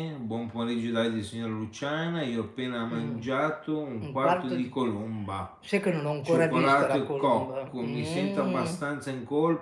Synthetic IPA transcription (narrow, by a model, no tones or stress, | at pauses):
bwɔmpumeɾid͡ʒːod̪ad̪isiɲːoːɾalut͡ʃaːnaiːoapːeːnamːand͡ʒaːt̪ʊuŋŋkkwart̪od̪ikolomba | sɛkenonɔaŋkoːɾakɾaːt̪oekːɔkːʊmisɛnt̪abːast̪ant̪saiŋkol